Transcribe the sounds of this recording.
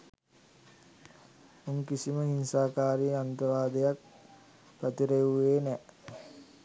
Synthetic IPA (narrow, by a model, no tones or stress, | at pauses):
uŋkisiməɦinsaːkaːɾiant̪əʋaːd̪ejak̚ | pɾət̪iɾeuʋeːnɛ